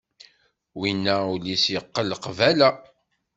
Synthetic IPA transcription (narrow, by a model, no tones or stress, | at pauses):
winːæulisjəqːəlqvælæ